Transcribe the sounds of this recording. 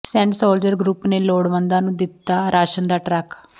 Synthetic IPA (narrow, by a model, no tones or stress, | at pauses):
sɛ̃ːɳʈsoːld͡ʒəɾɡɾuːpneːloːɽʋənd̪ãːnũːd̪ɪt̪ːaːɾaːʃənd̪aːʈɾɛːk